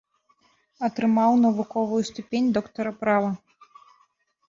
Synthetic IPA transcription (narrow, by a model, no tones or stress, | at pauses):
ɐt̪ɾɨmawnɐvukɔvujust̪upʲenʲd̪ɔkt̪ɐɾɐpɾavɐ